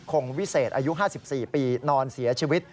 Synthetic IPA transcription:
kʰo˧ŋwi˦˥seː˨˩t̪̚ʔaː˧ju˦˥ʔɦaː˥˩si˨˩p̚siː˨˩piː˧nɔː˧nsi˨˩˦ɐt͡ɕʰiː˧wi˦˥t̪̚

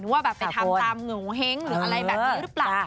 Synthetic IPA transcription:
nu˨˦a˧˩ɓa̰ː˧˨nfaː˧˩˨t̪aː˩˧t̪aː˨˩mŋɨ˨˩˦ɦɛ˧˦ŋlɨ˨˩˨la˧jɓ̰ːzə˦˥t̚la˨˩

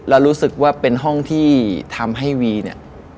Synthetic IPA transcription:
lɛ˦˥wɾuː˦˥sɯ˨˩k̚waː˥˩pe˧nɦɔ˥˩ŋt̪ʰiː˥˩t̪ʰa˧mɦa˥˩jwiː˧ni˥˩

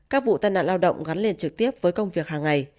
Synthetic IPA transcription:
kaː˦˥k̚vṵ˧˨t̪aː˧jna̰ː˧˨nlaː˧wɗə̰˧˨wŋ͡mɣa˨˦nle˧nt͡ɕɨ˨˩k̚t̪i˦˥əp̚vəː˨˦jkə˧wŋ͡mvi˨˩ək̚haː˨˩ŋa˨˩j

